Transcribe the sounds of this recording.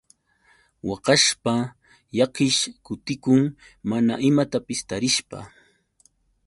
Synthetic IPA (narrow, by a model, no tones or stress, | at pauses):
wɑqɑʃpa | jɑqɪʃkʊt̪ɪkʊŋ | manaʔɪmat̪apɪst̪aɾɪʃpa̰